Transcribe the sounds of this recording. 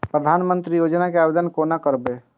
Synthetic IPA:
pɾəd̪ʱaːnmə̃nt̪ɾijoːd͡ʒnakeaːbed̪ənkoːnakəɾbe

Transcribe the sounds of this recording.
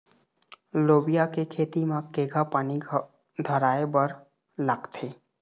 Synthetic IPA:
loːbijakekʰeːt̪imãkeːɡʱapaːni | d̪ʱəɾaːebəɾ | laɡt̪ʰeː

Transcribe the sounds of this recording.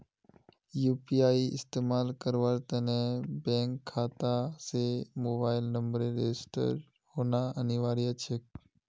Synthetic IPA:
juːpiaːiʔɪ̰st̪eːmaːlkəɾʋaːɾt̪ənẽbẽːŋkʰːaːt̪asemoːbaːɪlnəmbəɾeɾeːd͡ʒɪsʈə̰ɾ | hoːnaəniʋaːɾijat͡ʃʰeːk̚

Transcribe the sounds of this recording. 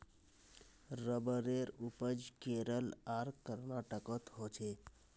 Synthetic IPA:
ɾəbəɾeɾupəd͡ʒkeɾəlaɾkəɾnaʈəkət̪ɦot͡ʃʰe

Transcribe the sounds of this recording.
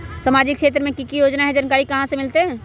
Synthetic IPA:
səmaːd͡ʒɪkʃeːt̪̬ɾəmẽkikijoːd͡ʒnaɦɛd͡ʒɐnkaːɽikɐɦãsemɪlt̪eɦɛ̃ː

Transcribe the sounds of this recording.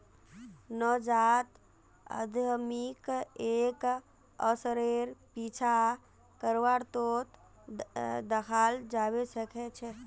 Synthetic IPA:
nɔd͡ʒat̪ | ə̰d̪ʱəmikek | əsəɾeɾpit͡ʃʰa | kəɾʋaɾt̪ot̪ | d̪əkʰald͡ʒaβesəkʰɛt͡ʃʰɛ

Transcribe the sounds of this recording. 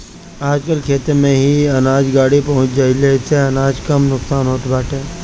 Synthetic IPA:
aːd͡ʒkəlkʰeːt̪emẽɦiɐnaːd͡ʒɡaːɽipɐɦʊ̃t͡ʃd͡ʒaːileseɐnaːd͡ʒkɐmnʊksaːnɦoːʈbaːʈẽː

